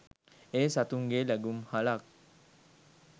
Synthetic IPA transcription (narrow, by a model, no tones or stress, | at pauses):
esat̪uŋɡelɛɡumhalak̚